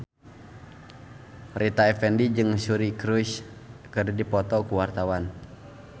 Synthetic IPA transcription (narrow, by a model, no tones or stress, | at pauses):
rʔit̪aɛfɛndid͡ʒɨŋsuɾikɾuʃkəddipɔt̪ɔkuwart̪awan